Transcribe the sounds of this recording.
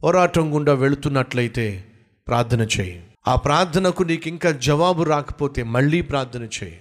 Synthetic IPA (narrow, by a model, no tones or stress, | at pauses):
pɔːɾaːʈɐŋɡuɳɖaːʋeɭut̪unːɐʈlɐjit̪eː | pɾaːɾt̪ʰɐnɐt͡ʃḛːji | aːpɾaːɾt̪ʰɐnɐkuniːkiŋkaːd͡ʒɐʋaːbuɾaːkɐ̥poːt̪eːmɐɭːiːpɾaːɾt̪ʰɐnɐt͡ʃḛːjḭ